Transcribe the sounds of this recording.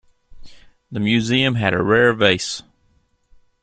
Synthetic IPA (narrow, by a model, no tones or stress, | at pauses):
ðɨmjʉziɨ̃mɨɾɨ̰ɹɛɹveɪs